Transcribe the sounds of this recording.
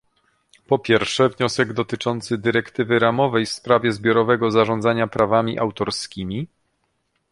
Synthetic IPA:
pɔpʲjɛɾfʂɛvɲɔsɛɡd̪ɔt̪ɘt͡ʂɔnt̪sɘd̪ɘɾɛkt̪ɘvɘɾamɔvɛjfspɾavʲjɛzbʲjɔɾɔvɛɡɔzaʐɔnd̪zaɲapɾavamʲiʔawt̪ɔɾskʲimʲi

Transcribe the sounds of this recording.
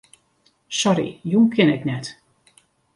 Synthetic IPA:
sɔɾḭjuːmkʰɪnɛknɛt

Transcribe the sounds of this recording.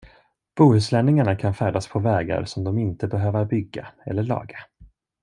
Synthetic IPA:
b̥uːhʉ̟ːslɛnːɪŋaɳakʰanfæːɖaspʰɔvɛːɡa̰ɾsɔmd̪ɔmɪnt̪əbɛɦøːvəɾbʏɡːaɛ̰lːəɭɑ̰ːɡa

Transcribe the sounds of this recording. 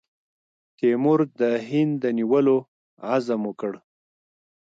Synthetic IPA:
t̪emʊɾd̪əɦɪnd̪əniwəlo | azamokəɽ

